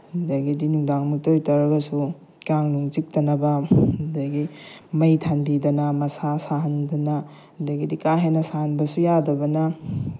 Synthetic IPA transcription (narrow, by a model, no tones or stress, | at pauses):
ndaɡidinuŋdaŋmutojtɐɾɐɡɐsu | kaŋnuŋt͡ʃik̚tɐnɐbɐndaɡimɐjtʰanbidɐnɐmɐsasaɦɐndɐnɐ | ndɐɡidikaɦenɐsahɐnbɐsujadɐbɐnɐ